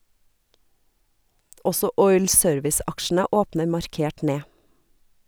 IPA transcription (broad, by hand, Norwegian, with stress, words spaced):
ˈɔsɔ ˈɔʏl ˈsøːɾʋɪs ˈɑkʃn̩ə ˈoːpnə mɑɾˈkeːʈ ˈneː